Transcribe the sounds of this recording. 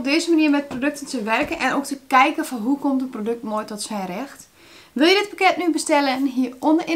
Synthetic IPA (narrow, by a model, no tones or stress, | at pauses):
p̚deːzəmaniəmɛt̚prodøk̚təntəʋɛrkənʔɛnoːk̚təkɛjkəfɔnɦukɔmtəprodøk̚tmoːjtɔtsɛjrɛxt | ʋɪlˠjədɪt̚pakɛtnybəstɛlənɦiəondəʔɪ